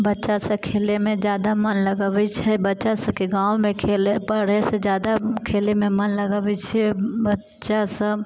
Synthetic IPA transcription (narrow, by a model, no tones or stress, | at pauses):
bətːʃasəkʰeːlemẽd͡ʒjaːd̪amənləɡəbit͡ʃʰɛbətːʃasə̃keɡãːwmẽkʰelepəɽesed͡ʒjaːd̪akʰeːlemẽmənləɡabit͡ʃʰɛbətː | ʃasə̃